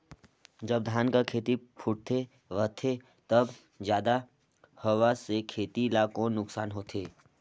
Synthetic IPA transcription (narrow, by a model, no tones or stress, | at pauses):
d͡ʒəb̚d̪ʱaːnkakʰeːt̪ipʰʊʈ̚t̪ʰe | ʋət̪ʰe | t̪ɐb | zjaːd̪a | hɐʋasekʰeːt̪ilaːkõnʊksaːnɦoːt̪ʰeː